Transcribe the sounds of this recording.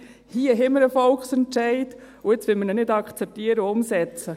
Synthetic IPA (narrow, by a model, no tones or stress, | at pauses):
hiəɦɛməɾəfɔlkχsɛntʃɛɪt | uɪt͡sʋɪlmənənɪdɑkχt͡sɛp̚tiəɾəʊmsɛt͡sə